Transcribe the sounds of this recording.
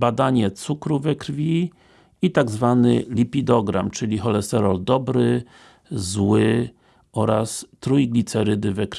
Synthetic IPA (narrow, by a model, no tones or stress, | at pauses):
bad̪aɲɛt̪sukɾuvɛkɾvʲi | it̪aɡzvanɘ̰lʲipʲid̪ɔɡɾa̰mt͡ʂɘlʲixɔlɛst̪ɛɾɔld̪ɔbɾɘ | zwɘ | ʔɔɾast̪ɾujiɡlʲit̪sɛɾɘd̪ɘvɛkɾ